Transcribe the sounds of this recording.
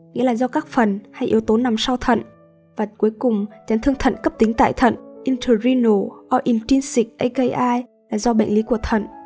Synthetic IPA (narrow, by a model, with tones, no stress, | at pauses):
ŋḭ˧˥əlaː˨˩zɔ˧kaː˦˥k̚fə˨˩nha˧jʔi˨˦əwt̪o˨˦na˨˩msa˧wt̪ʰə̰˧˨n | vaː˨˩ku˨˦əjkʊ˨˩ŋ͡mt͡ɕaː˨˦nt̪ʰɨ˧əŋt̪ʰə̰˧˨nkə˦˥p̚t̪ï˨˦ŋ̟t̪a̰ː˧˨jt̪ʰə̰˧˨nʔi˧nt̪ʰə˨˧˩zi˧no˨˩ʔɔ˧ʔi˧˩nt͡ɕi˧nsi˨˩k̚ʔə˧jkə˧jʔaː˧j | laː˨˩zɔ˧ɓə̰˧˨ŋli˨˦ku˧˩ət̪ʰə̰˧˨n